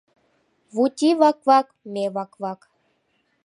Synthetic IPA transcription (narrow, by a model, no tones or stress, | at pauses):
βut̪ʲiβɑkvɑk | meβɑkvɑk